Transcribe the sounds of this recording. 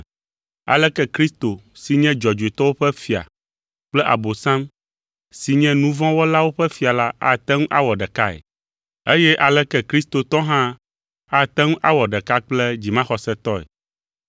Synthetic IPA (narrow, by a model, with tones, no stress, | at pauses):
a̰˨lɛ˦kɛ˦kɾi˦st̪o˨si˨ɲɛ̃˦d͡ʒɔ˨d͡ʒu˨e˨t̪ɔ˦wo˦ɸɛ˦fi˨a̰˨ | k͡plɛ˦ʔa̰˨bo˨sã˦m | si˨ɲɛ̃˦nũ˦vɔ̃˦wo˦la˦wo˦ɸɛ˦fi˨a˨la˦a̰˦˨t̪ɛ˦ŋũ˦ʔa˦wɔ˨ɖɛ˨ka˦ɛ̰˨ | e˦jɛ˦ʔa˨lɛ˦kɛ˦kɾi˦st̪o˨t̪ɔ˦ɦã˦ | a˦t̪ɛ˦ŋũ˦ʔa˦wɔ˨ɖɛ˨ka˦k͡plɛ˦d͡ʑi˨mã˦xɔ˨sɛ˦t̪ɔ˦ɛ̰˨